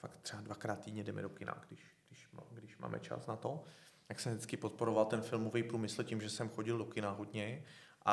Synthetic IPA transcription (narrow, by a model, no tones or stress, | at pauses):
fakt̪ːr̥ɛadvakɾaːt̪t̪ːiːdɲɛdɛmɛ̰dokɪna̰ɡdɪʃɡdɪʃɡdɪʃma̰ːmʔɛ̰t͡ʃa̰snat̪o̞ | t̪aksɛmdɪt͡skɪpot̪̚poɾovalt̪ɛnfɪlmovijpɾuːmɪsl̩cimʒɛsɛmxo̞ɟɪldokɪnaɦodɲɛʔa